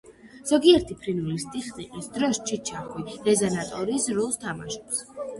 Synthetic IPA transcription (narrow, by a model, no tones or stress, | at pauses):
z̥ɔɡiɛɾt̪ʰipʰɾinulist̪ʼiχniqʼisd̪ɾɔst͡ʃʰit͡ʃʰaχwid̪ɛzanat̪ʼɔɾisɾulˠst̪ʰama̰ʃɔ̥ps